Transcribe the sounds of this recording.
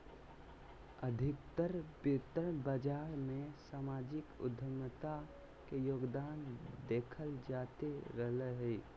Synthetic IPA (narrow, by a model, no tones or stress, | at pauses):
əd̪ʱɪkt̪əɾbɪt̪əɾbəd͡ʒaːɾmẽsaːmaːd͡ʒɪkʊ̰d̪ʱəmət̪a | kejoːɡd̪aːnd̪eːkʰəld͡ʒaːt̪eɾəɦləɦɛ